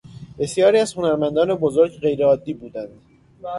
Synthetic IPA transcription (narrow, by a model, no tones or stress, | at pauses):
b̥e̞sjɒːɾiæzhonæɾmænd̪ɒːnebozoɾɟɢe̞jɾeɒːd̪ːiːbuːd̪ænd̪